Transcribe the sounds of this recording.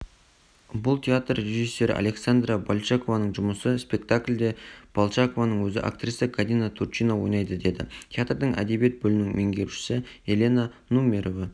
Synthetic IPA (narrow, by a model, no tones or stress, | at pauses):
bʊlˠt̪ʲʰeat̪rːeʒisːe̞ɾɪ̰ʔa̰lʲe̞ksand̪rabalˠt͡ʃako̞vanəɴʒʊməsəspʲe̞k̚t̪akʲlʲd̪e̞b̥alˠt͡ʃako̞vanəɴwɵzɪ̰ʔa̰kt̪risəkʰad̪inat̪ʰurt͡ʃijnawo̞jnɑjd̪əd̪e̞d̪ɪ̰tʲʰeat̪rd̪əŋʔæ̰d̪e̞bije̞t̪̚bɵlɪnɪŋmeŋɡʲe̞ɾuʃɪ̥sɪ | e̞lʲe̞na | numʲe̞ɾovɑ